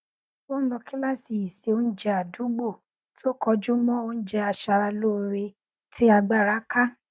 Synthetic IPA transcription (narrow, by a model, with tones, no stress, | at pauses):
wo˦n̩˦lɔ˧ki˦mã˦˨si˨i˨se˨o˦n̩˦d͡ʒɛ˧a˨du˨˦ɡ͡bo˦˨ | to˦kʰɔ˧d͡ʒu˦mɔ̃˦o˦n̩˦d͡ʒɛ˧a˧ʃa˧ɾa˧lo˦ɾe˧ | tʰi˦a˧ɡ͡ba˦˨ɾa˨˦ka˦